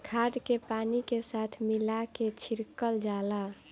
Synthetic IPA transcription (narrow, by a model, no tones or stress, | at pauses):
kʰaːd̪kepaːnikesat̪ʰmilaket͡ʃʰiɾkəld͡ʒaːla